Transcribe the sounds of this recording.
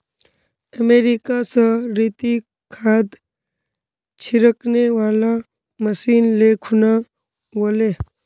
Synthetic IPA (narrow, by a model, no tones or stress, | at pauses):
əmeːɾikasaɾiːt̪i | kʰaːd̪ | t͡ʃʰiɾəkneʋaːla | məsiːnleːkʰuna | ʋoːleː